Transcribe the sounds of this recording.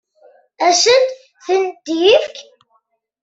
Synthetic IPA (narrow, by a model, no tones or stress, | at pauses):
æʃən | θənd̪jifk